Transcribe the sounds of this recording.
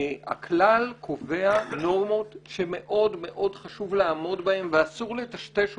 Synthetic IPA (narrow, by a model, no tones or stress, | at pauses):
a̰klalkʰo̞veano̞ʁmo̞tʃe̞me̞ʔo̞dme̞ʔo̞dχaʃuvleaːmo̞dbahe̞mveasuʁle̞taʃteʃ